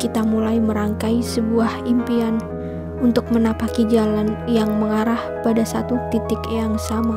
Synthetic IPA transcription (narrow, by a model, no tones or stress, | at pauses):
kit̪amulajməɾaŋkaisəbuahimpian | unt̪ʊk̚mənapakid͡ʒalanjaŋməŋaɾahpadasat̪ut̪it̪ɪkjaŋsama